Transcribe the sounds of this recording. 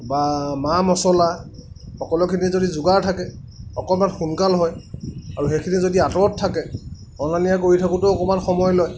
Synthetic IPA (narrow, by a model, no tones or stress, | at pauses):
bamamɔsɔla | xɔkɔlɔkʰinizodizʊɡaɹtʰakɛ | ɔkɔmanxunkalɦɔjaɹuɦekʰinizodiatɔɔtʰːakɛ | ɔnanijakoɹitʰakʊtʊɔkɔmanxɔmɔjlɔj